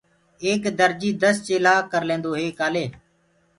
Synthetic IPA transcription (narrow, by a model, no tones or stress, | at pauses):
eːkd̪əɾd͡ʒiːd̪əst͡ʃeːlaːkəɾlẽːnd̪oːɦeːkaːleː